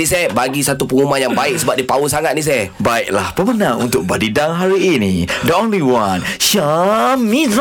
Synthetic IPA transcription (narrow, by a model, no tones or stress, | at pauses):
isabaɡisat̪upəŋumanjaŋbaɪk̚səbap̚dipausaŋat̪̚nis̬ɛbaiʔ̚lahpəmənãŋṵnt̪ʊk̚badidaŋɦaɾiinidəõnliwanʃamiz